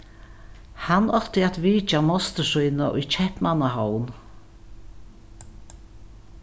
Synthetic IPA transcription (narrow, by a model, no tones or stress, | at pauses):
hanɔht̪ɪat̪viːt͡ʃamɔst̪əsujnaʔṵjt͡ʃʰɛhpmanaɦɔwn